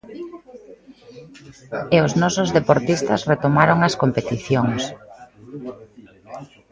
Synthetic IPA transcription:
eʊznɔsozðepoɾt̪ist̪ɐsret̪omaɾoŋɐskompet̪iθjoŋs

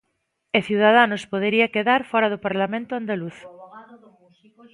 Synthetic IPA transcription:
eθjuwðað̞anospoðeɾiakeðaɾfɔɾɐðopaɾlamẽnt̪ʊand̪aluθ

